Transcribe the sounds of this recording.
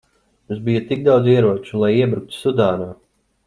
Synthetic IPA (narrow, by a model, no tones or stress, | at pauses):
mũsbijɐt̪iɡ̚d̪awd̪ziɛɾuɔt͡ʃulˠajiɛbɾuk̚t̪u̥sud̪aːnaː